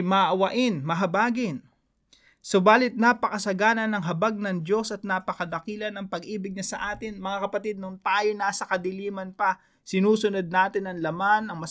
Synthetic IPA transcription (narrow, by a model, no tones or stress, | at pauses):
mɐʔɐwɐʔɪnmɐɦɐbaːɡɪn | sobaːlɪt̪̚naːpɐkɐsɐɡaːnɐnɐŋɦɐbaɡ̚nɐŋd͡ʒo̞sɐt̪̚napɐkɐd̪ɐkiːlɐnɐŋpɐɡʔiːbɪɡ̚ɲɐsɐʔaːt̪ɪnmɐŋakɐpɐt̪id̪̚nʊnt̪aːjonaːsɐkɐd̪ɪliːmɐnpɐ | sɪnuːsʊnod̪̚naːt̪ɪnɐŋlɐmanɐŋmɐ